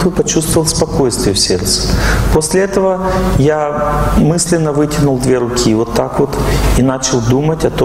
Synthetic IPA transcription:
t̪ɨpɐt͡ɕust̪vəvəlˠspɐkojst̪vʲɪjəfsʲert̪sɨ̥posʲlʲɪɛt̪əvəjamɨsʲlʲɪnːəvɨtʲɪnʊlˠd̪vʲeɾʊkʲʰivo̞t̪ːakvo̞t̪inat͡ɕɪlˠd̪umətʲɐt̪o

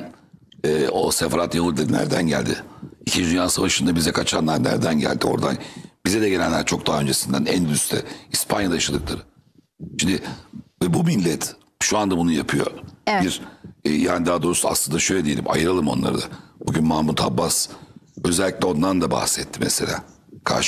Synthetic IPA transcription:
ɛːo̞sefaɾat̪javud̪inæ̰ɾd̪ænɟæ̰lʲd̪ɪicʰind͡ʒd̪ynjaːsavaʃɯnd̪abizɛkʰat͡ʃʰanːˠaɾnæ̰ɾd̪ænɟæ̰lʲd̪io̞̰ɾd̪a̰nb̥izɛd̪ɛɟelænlʲːæɾt͡ʃʰo̞k̚d̪aɦaø̞nd͡ʒe̞sind̪ænɛ̰nd̪yst̪ʰɛ̰ispʰa̰njad̪ajaʃad̪ɯklˠaɾɯ | ʃimd̪ɪvɛbumilʲːɛt̪ʰ | ʃuand̪abunujapʰɯjo̞̰biɾːjaːnid̪aːd̪o̞ɾusua̰slˠɯnd̪aʃø̞jlʲɛd̪ije̞lʲḭmʔa̰jɯɾalˠɯmo̞̰nlˠa̰ɾɯd̪abuɟynmaːmut̪ʰabːasø̞zɛlʲːiclʲɛo̞nd̪and̪aba̰hsɛt̪ʰːimɛse̞lʲa̰ː | kʰa̰ɾʃ

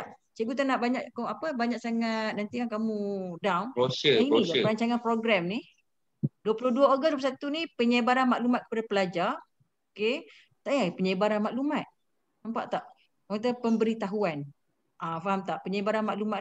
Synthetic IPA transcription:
t͡ʃəɡut̪anaʔbaɲaʔkɔapəbaɲaʔsaŋat̪̚nant̪ikankamũdawnosəiiəɾaɲt͡ʃaŋanpɾoɡɾamni | duəpulohduaoɡəsduplusat̪unipəɲəbaɾanmaʔlumat̪̚kə̥padapəlad͡ʒar | oke | t̪aʔjapəɲəbaɾanmaʔlumat̪̚ | nampa̰ʔt̪aʔ | at̪apəmbəɾit̪aɦuan | ʔafaɦamt̪aʔpəɲəbaɾanmaʔluma

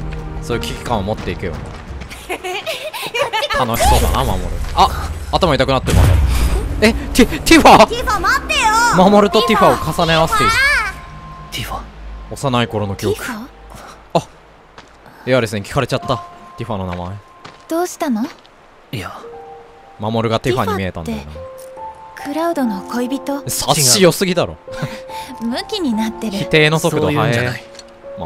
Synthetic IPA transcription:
so̞ːiɯ̟kʲi̥kʲi̥kãɰ̃omo̞t̪ːe̞ikejo̰nḛ | t̪ʰano̞ɕi̥so̞ːd̪a̰nama̰mo̞̰ɾɯ̟aːt̪amait̪akɯ̟nat̪ːemas | et̪it̪iɸaɸamat̪ːejomamo̞ɾɯ̟t̪o̞t̪ʲiɸaokasane̞aβasɨ̥t̪ːeiɯ | t̪iɸaosanaiko̞ɾo̞no̞kʲio̞kɯ̟̥ | a | ejad̪e̞sɨnekʲi̥kaɾe̞t͡ɕat̪ːat̪ʲiɸano̞na̰mae | d̪̥oːɕi̥t̪ano | a | mamo̞ɾɯ̟ɡat̪eɸaɲ̟immie̞t̪ã̰nena | kʰɯ̟ɾaɯ̟d̪o̞nokʰoibʲit̪o̞saɕːijo̞sɨɡʲid̪aɾo̞̰ | mɯ̟kʲiɲ̟inat̪ːe̞ɾɯ̟it̪e̞ːno̞sokɯ̟ohae | ma̰

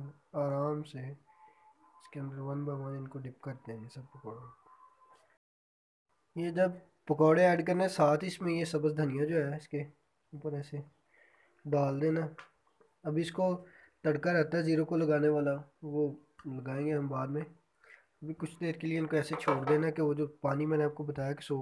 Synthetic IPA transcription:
aːɾaːmse | ɪskeə̃nd̪əɾʋɐnbaʋãːnɪnkoɖɪp̚kɐɾt̪eɛ̃esɐb̚pɐkaːɽa | jed͡ʒɐb̚ | pɐkaːɽeɛːɖkɐɾnesaːt̪ʰɪsmẽjesɐbəsd̪ʱənɪjãd͡ʒoːɦɛːɪske | uːpəɾɛːse | ɖaːld̪ẽːna | ɐbʱiɪsko | t̪ɐɽkaɾɛɦt̪aɦɛziːɾokolɐɡaːneʋaːlaʋoː | lɐɡaːẽːŋɡeɦɐ̃mbaːd̪mẽː | ɐbʱikʊt͡ʃʰd̪eːɾkelieɪnkoɛːset͡ʃʰoːɽd̪eːnakeʋod͡ʒoːpaːnimɛ̃ːneaːp̚kobɐt̪aːjake̥soː

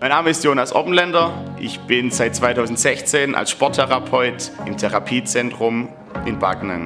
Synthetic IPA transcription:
maɪnːaːməɪstjoːnasʔɔ̰pn̩lɛndɐʔɪ̰çb̥ɪnzaɪt̚t͡sv̥aɪtʰaʊzn̩tz̥ɛçt͡seːnʔa̰lsʃpɔɐtʰɛʁapʰɔʏtɪmtʰɛʁapʰiːt͡sɛntʁ̥ʊm | ʔɪnbaɡnə̰n

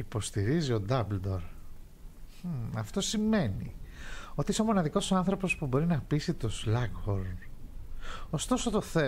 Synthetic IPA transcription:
ipo̞st̪iɾizio̞d̪ɐbld̪o̞ɾ | ɐft̪o̞sime̞nḭo̞t̪iiso̞mo̞nɐðiko̞sɐnθɾo̞po̞spubo̞ɾinɐpisit̪oslɐkxoɾn | o̞st̪o̞so̞t̪o̞θe

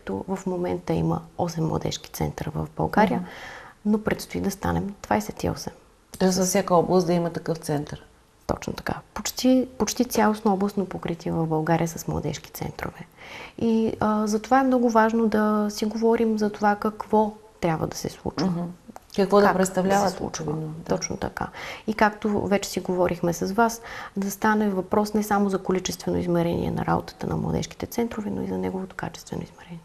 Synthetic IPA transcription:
kt̪ɔ̰vɐfmomɛnt̪əḭmə̰ɔsɛmːlˠɐ̰d̪ɛ̰ʃki̥t̪sɛ̰nt̪əɾvə̰vbɐ̰lˠɡaɾijənopɾɛt̪st̪oid̪ɐst̪a̰nɛmd̪̥vajsɛt̪ḭɔ̰sɛm | t̪ɔjsfsʲakəɔblˠəst̪̚d̪ɐimət̪ɐkɤft̪sɛnt̪əɾ | t̪ɔ̰t͡ʃno̰t̪ɐ̥ka̰pot͡ʃt̪ipot͡ʃt̪it̪sʲjalˠosnoɔblˠəsnopokɾit̪ʲiɛvɐvbɐlˠɡaɾijəsəsmlˠɐ̰d̪ɛ̰ʃki̥t̪sɛ̰nt̪ɾo̰vɛiəzɐt̪ovaɛmnɔɡʊvaʒnod̪ɐsiɡovɔɾimzɐt̪ovakɐkvɔt̪ɾʲabvə̰d̪ɐsɛslˠṵt͡ʃvəkəkvɔd̪pɾɛt̪st̪ɐvlʲavəslˠṵt͡ʃvə̰t̪ɔt͡ʃno̰t̪ɐ̰ka̰ikakt̪o̰vɛt͡ʃɛ̥siɡovɔɾʔixmɛsɐzvasd̪ɐst̪anɛvɐpɾɔsnɛsamozɐkolit͡ʃɛst̪vɛnoizmɛɾɛnʲḭɛ̰nɐ̰ɾa̰bo̰t̪ə̥t̪ənɐ̰mlˠɐ̰d̪ɛ̰ʃki̥t̪ɛt̪sɛnt̪ɾovɛno̰izɐnɛɡovot̪o̥ka̰t͡ʃɛ̥st̪vɛ̰no̰ḭzmɛɾɛniɛɛ

